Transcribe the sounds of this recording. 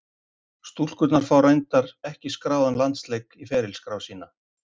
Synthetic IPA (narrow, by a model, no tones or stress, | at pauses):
st̪ul̥kʏt̪naɾ̥fawɾejnt̪aɾɛhcɪskɾaːwðanlant̪slejkifɛːɾɪlskɾaːwsiːna